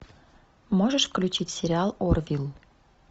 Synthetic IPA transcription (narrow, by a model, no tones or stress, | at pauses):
moʒəʃfklʲut͡ɕitʲsʲeɾʲɪɑlˠorvʲilˠ